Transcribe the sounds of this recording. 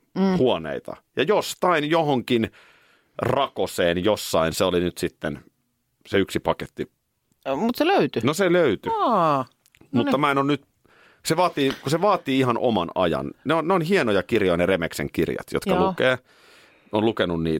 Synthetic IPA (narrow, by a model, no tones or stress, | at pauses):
huonḛit̪ɑ̰jɑjost̪ɑinjohoŋkin | rɑkoseːnjosːɑinseolinyt̪sit̪ːen | seyksipɑket̪ːi | mut̪seløyt̪ynoseløyt̪y | mut̪ːɑmæenonnyt̪ | seʋɑːt̪iːkuseʋɑːt̪iːihɑnʔo̰mɑ̰nɑ̰jɑ̰nneonneonɦienojɑkirjojɑneremeksḛŋkirjɑ̰t̪jo̰t̪kɑlukeː | onlukenunniː